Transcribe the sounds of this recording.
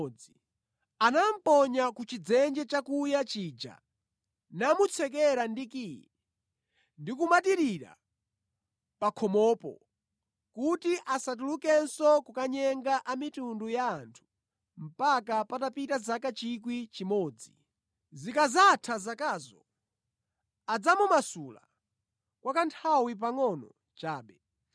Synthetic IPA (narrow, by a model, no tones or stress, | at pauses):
d͡zi | anam̩pɔɲakut͡ʃid͡zɛnd͡ʒɛt͡ʃakujat͡ʃiːd͡ʒa̰ | namut͡sʰɛk̬ɛɾandikijɛ | ndikumatiɾiɾa̰ | pakʰɔmɔːpɔ̰ | kutiʔasat̬ulukɛnsɔkukaɲɛŋɡaʔamitundujaːntʰu̥ | m̩pakapatapitazakat͡ʃik̬wit͡ʃimɔːd͡zi | zikazatʰazakaːzɔ | ad͡zamumasula̰ | kwakantʰawip̬aŋɔnɔ | t͡ʃaːɓɛ